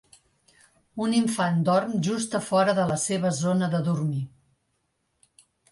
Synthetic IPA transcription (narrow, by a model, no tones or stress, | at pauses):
uniɱfand̪ɔrmʒust̪əfɔɾəðələseβ̞əzonəðəðurmi